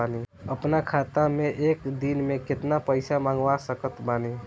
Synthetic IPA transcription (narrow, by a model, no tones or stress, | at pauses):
aːniəpnakʰaːt̪amẽʔeːkd̪inmẽkɪt̪napəɪsamãːŋɡʋasəkət̪baːni